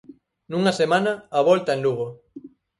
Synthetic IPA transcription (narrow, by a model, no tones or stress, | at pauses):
nuŋasemãnaːβɔlt̪aẽnluɣ̞o